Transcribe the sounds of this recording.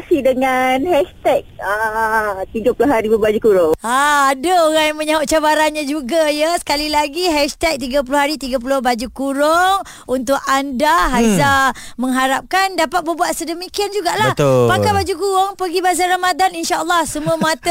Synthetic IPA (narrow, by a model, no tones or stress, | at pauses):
sidəŋanhɛʃt̪ɛk̚ə | t̪iɡapulʊɦaɾibəbad͡ʒukuɾʊŋaːdaoɾaŋjaŋmə̃ɲaʊʔ̚t͡ʃabaɾanɲãd͡ʒuɡajəsə̥kalilaɡiɦɛʃt̪ɛk̚t̪iɡap̬ulʊɦaɾit̪iɡap̬ulʊhbad͡ʒukuɾoŋ | unt̪ʊk̚andaɦazamə̃ŋɦaɾap̚kandapat̪̚bərbuat̪̚sədəmikiand͡ʒuɡaʔlah̪pakabad͡ʒukuɾoŋpəɡibazaramad̪aninʃaʔəlˠːɔhsəmuə̃mat̪ə